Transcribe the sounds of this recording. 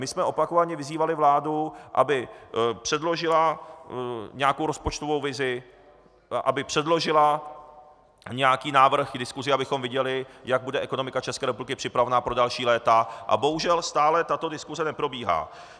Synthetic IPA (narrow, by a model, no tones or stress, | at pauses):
mɪsmɛʔo̞pako̞vaɲɛvɪziːvalɪvlaːduʔa̰bɪpr̥ɛdlo̞ʒɪla | ɲɛako̞wɾo̞spot͡ʃt̪o̞vo̞wvɪzɪ | ʔabɪpr̥ɛdlo̞ʒɪla | ɲɛakiːnaːvr̩xɡdɪskuzɪabɪxo̞mvɪɟɛlɪjaɡ̚budɛʔɛko̞no̞mɪkat͡ʃɛskɛːɾɛp̬ublɪkɪpr̥ɪpɾavɛnaːpɾo̞dalʃiːlɛːt̪aʔa̰bo̞ɦuʒɛlst̪aːlɛt̪at̪o̞dɪskuzɛnɛpɾo̞biːɦa̰ː